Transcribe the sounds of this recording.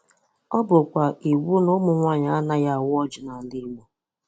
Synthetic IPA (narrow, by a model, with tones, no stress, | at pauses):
ɔ˦bʊ˨kʷa˨i˨wu˦nʊ˦mʊ˨ŋʷa˦ɲa˨˦a˦na˦ja˦a˨wɔ˦d͡ʒʊ˨na˨n̩˨˦dɪ˦mo˨